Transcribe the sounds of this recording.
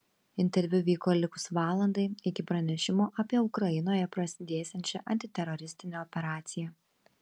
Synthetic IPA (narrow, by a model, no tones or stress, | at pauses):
ɪnʲt̪ʲɛɾʲʋʲʊʋʲiːkoːlʲɪkʊsʋɑːlˠɐnd̪ɐɪɪkʲɪpɾɐnʲɛʃʲɪmoːʔɐpʲiɛʊkɾɐjɪnoːjɛpɾɐsʲɪd̪ʲeːsʲɛnʲt͡ʃʲɛʔɐnʲt̪ʲɪt̪ʲɛɾɔɾʲɪsʲt̪ʲɪnʲeːɔpʲɛɾɑːt̪sʲɪjɛ